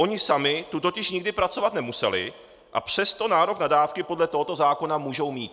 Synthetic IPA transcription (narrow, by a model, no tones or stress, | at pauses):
o̞ɲɪsamɪt̪ut̪o̞cɪʃɲɪɡ̚dɪpɾat͡so̞vat̪nɛmusɛlɪ̰ | ʔa̰pr̝̥ɛst̪o̞naːɾo̞knadaːfkɪpo̞dlɛt̪o̞ɦot̪o̞zaːko̞namuːʒo̞wmiːt̪̚